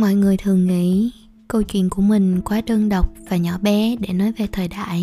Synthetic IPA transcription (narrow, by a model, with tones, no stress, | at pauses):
mɔ̰˧˨jŋɨ˨˩əjt̪ʰɨ˨˩əŋŋḭ˧˥ | kə˧wt͡ɕwḭ˧˨ənku˧˩əmï˨˩ŋ̟kwaː˨˦ɗɨ˧əŋɗə˨˩wk͡p̚vaː˨˩ɲɔ˧˩˦ɓɛ˨˦ɗe˧˩nɔ˨˦jve˨˩t̪ʰəː˨˩jɗa̰ː˧˨j